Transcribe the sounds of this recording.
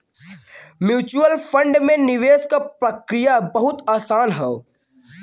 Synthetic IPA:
mjuːt͡ʃuəlfʰə̃ɳɖmẽnɪʋeːskapɾɐkɾɪjabɐɦʊt̪aːsaːnɦɛo

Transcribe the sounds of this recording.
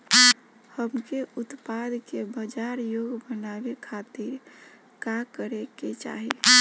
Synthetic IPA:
həmkeʔʊt̪pad̪kebəd͡ʒaɾjoɡbənabekʰat̪iɾ | kakəɾeket͡ʃa̰ɦi

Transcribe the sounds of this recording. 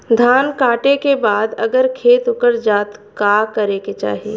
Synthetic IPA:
d̪ʱaːnkaːʈekebaːd̪ɐɡəɾkʰeːt̪ʊkəɾd͡ʒaːt̪kaːkɐɾeːket͡ʃa̰ːɦieː

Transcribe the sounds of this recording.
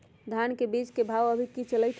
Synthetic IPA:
d̪ʱankebid͡ʒkebʱawəbʱikit͡ʃələjt̪ʰ

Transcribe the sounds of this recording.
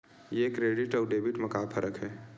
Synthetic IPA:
jekɾeːɖɪʈɔːɾɖeːbɪʈmɐkaːpʰəɾəkɦɛː

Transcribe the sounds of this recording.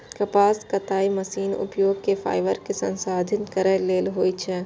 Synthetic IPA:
kɐpaːskɐt̪aːimɐsiːnʊ̰pjoːɡ̚kefʰa̰ːɪʋəɾkesɐ̰̃nsaːd̪ʱɪnkɐɾəleːlɦoːit͡ʃʰɛ

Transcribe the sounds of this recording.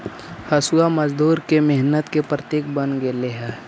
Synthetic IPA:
hɐsuaməd͡ʒd̪uːɾkemɪɦnət̪kepɾət̪eːk̚bənɡeleɦɛː

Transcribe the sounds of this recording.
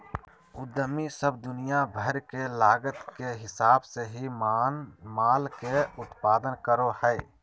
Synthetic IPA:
ʊd̪əmisəb̚d̪ʊnijabʱəɾkelaːɡət̪keɦɪsaːbseɦi | maːlkeʊt̪paːd̪ənkəɾohɛː

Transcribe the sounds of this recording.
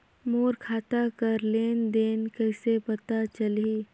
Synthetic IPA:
moːɾkʰaːt̪akəɾleːnd̪eːnkəɪsepət̪at͡ʃəli

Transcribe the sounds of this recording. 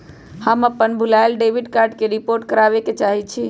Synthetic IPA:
həməpːənbʱulajlɖebiɖkaɾɖkeɾipoɾʈkəɾabeket͡ʃaɦit͡ʃʰi

